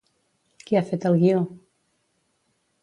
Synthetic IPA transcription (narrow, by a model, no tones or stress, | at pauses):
kiafet̪əlɣio